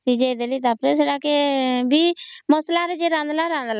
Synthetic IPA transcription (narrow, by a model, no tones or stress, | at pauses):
t̪id͡ʒed̪elit̪aːpɾes̬eɽakebiːməslaɾed͡ʒeɾãːnd̪laɾãːnd̪la